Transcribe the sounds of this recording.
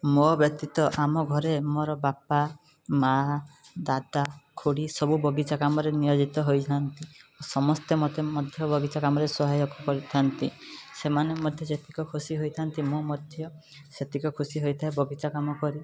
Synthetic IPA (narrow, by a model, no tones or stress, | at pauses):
mobjɔk̚t̪it̪ɔʔamɔɡʱɔɾemoɾɔbapa | mad̪ad̪akʰuɽisɔbubɔɡit͡ʃakamɔɾenijod͡ʒit̪ɔɦojt̪ʰant̪iosɔmɔst̪emɔt̪emɔd̪ʱjɔbɔɡit͡ʃakamɔɾesɔɦajɔkʰːɔkɔɾit̪ʰant̪isemanemɔd̪ʱjɔd͡ʒet̪ʰi̥kɔkʰusiɦojt̪ʰant̪imomɔd̪ʱjɔ | set̪ʰikɔkʰusiɦojt̪ʰaebɔɡit͡ʃakamɔkɔɾi